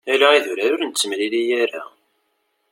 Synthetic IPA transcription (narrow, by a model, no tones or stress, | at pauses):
ælaiðʊɾæɾʊɾənt͡sːəmlilijæɾa̰